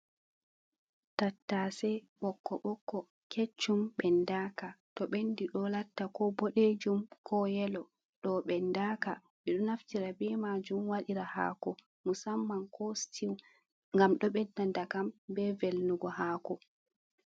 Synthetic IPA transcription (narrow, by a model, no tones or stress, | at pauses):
tatːasɛɓɔkːɔɓɔkːɔ | kʰet͡ʃːumɓɛndakatɔɓendiɗɔlatːakɔboɗed͡ʒumkʰɔjɛlɔ | ɗɔɓɛndaːka | ɓɛɗɔnaftiɾabɛmad͡ʒumwaɗiɾaha̰ːkɔ | musamːankʰɔstʰiw | ŋɡamɗɔɓɛdːandakambɛvelnuɡɔhaːkɔ